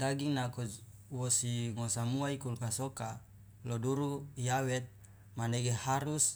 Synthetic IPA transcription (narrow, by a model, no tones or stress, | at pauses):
daɡiŋnako | wosiŋosamuaikulkasoka | loduɾujawɛt̪̚ | maneɡehaɾus